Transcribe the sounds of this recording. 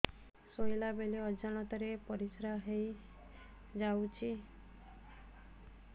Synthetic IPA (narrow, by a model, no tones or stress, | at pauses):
sojlabeliɔd͡ʒañɔt̪ɔɾepɔɾisɾaɦej | d͡ʒawt͡ʃʰi